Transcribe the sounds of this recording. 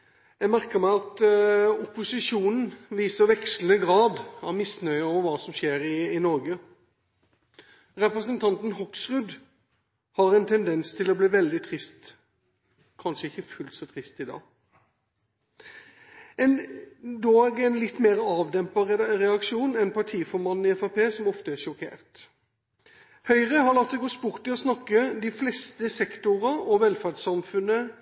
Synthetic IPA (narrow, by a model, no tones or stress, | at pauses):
jæmæʁkəmæɪɑt̪ʊpʊsɪʂuːnn̩ʋiːsəɾʋɛkslənəɡɾɑːd̪ɑʋmɪsnœʏəɔːʋəɾʋɑːsɔmʂeːɾɪɪnɔʁɡə | ɾɛpɾəsənt̪ʰɑnt̪n̩ɦɔksʁʉd̪ | hɑɾɛnt̪ʰɛnd̪ɛnst̪ʰɪlɔbliːʋɛld̪ɪt̪ʰʁɪst̪ | kʰɑnʂəɪçəfʉlt̪sɔt̪ʰʁɪst̪ɪd̪ɑ̰ː | ɛnd̪oːɡɛnlɪt̪ːmeːɾəɑːʋd̪ɛmpɑʁɛɑkʃuːnɛnpʰɑʈʰiːfɔɾmɑn̩ːɪɛfɑpeːsɔmɔft̪əæʂɔkʰḛːʁt̪ | hœʏʁəhɑʁlɑkt̪ːɔɡoːspʊʁt̪ɪɔsnɑkːəd̪ɪflɛst̪əsɛkt̪ʊʁəɔʋɛlfæɖsɑmfʉnːə